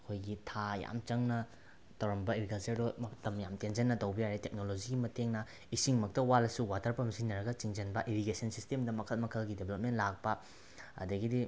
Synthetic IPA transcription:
kʰojɡitʰaja̰mt͡ʃɐŋnɐ | tʰɐwɾɐmbɐiɾiɡasedomɐtɐmjamtenzɐnːɐtɐwbɐjaɾetek̚nolod͡ʒiɡimɐteŋnɐ | isiŋmɐk̚tɐwalɐsuwatʰɐɾpɐmsinɐɾɐɡɐt͡ʃiŋd͡ʒɐnbɐʔiɾiɡesɐnsistemdɐmɐkʰɐt̚mɐkʰɐlɡideblɐp̚mentlak̚pɐ | ɐ̰dɐɡidi

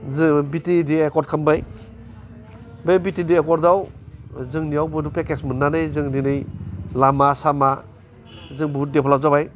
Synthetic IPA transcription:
zbitidiekɔɾt̚kʰambaj | bebitidiekɔɾdawzɯŋniawbɯdupekesmɯnːanɯjzɯŋninɯjlamasama | zɯŋbuɦut̚depʰalazabaj

